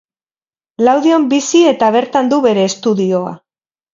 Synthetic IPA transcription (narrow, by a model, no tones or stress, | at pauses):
lawðio̞mbisie̞t̪aβ̞e̞ɾt̪and̪uβe̞ɾe̞ːst̪uðio̞a̰